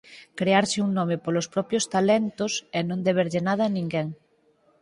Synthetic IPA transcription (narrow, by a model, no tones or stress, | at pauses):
kɾeaɾsɪuŋnomepolospɾɔpjost̪alɛnt̪osɛnõnd̪eβeɾʎenað̞ɐnĩŋɡeŋ